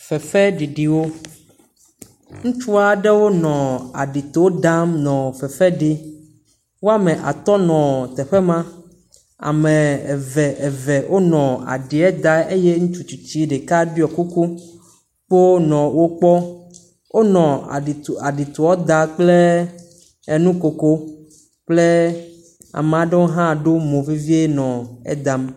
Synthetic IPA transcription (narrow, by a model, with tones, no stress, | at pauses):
fɛ˨fɛ˦ɖi˨ɖi˨wo˦ | ŋũ˦t͡ʃu˦a˦ɖɛ˦wo˦nɔ̃˨a̰˨ɖi˨t̪o˨wo˦ɖa˦mnɔ̃˨fɛ˨fɛ˦ɖi˦ | wo˦a˦mɛ̃˨ʔa̰˨t̪ɔ˦nɔ̃˨t̪ɛ˨ɸɛ˦mã˦ | a̰˨mẽ˨vɛ˨ʔɛ˨vɛ˨ʔo˦nɔ̃˨a̰˨ɖi˨ɛ˦d̪a˦e˦je˦ŋũ˦t͡ʃu˨t͡ʃu˨t͡ɕi˦ɖe˨ka˦ɖi˦ɔ˨ku˦ku˦ | k͡po˦nɔ̃˨wo˦k͡pɔ˦ | wo˦nɔ̰̃˨a˨ɖi˨t̪u˨ɔ˦d̪a˨k͡ple˦ | e˨nũ˦ko˨ko˦ | k͡ple˦ | a̰˨me˨a˨ɖe˦wo˦ɦã˦˨ɖo˦mõ˨vi˦vi˦e˦nɔ̃˨ɛ̰˦d̪a˨m